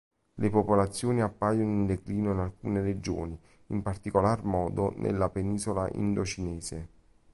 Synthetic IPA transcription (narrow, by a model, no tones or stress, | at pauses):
lepopolat̪sːjoːniapːaːjonoind̪ekliːnoinalkuːneɾed͡ʒo̰ːni | impart̪ikolarmɔːd̪onʔḛlːapeniːzolaʔḭnd̪ot͡ʃinɛːze